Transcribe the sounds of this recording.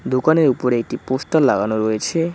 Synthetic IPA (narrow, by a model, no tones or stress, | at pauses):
d̪okaneɾupoɾek̚ʈipost̪alaɡanoɾojet͡ɕʰe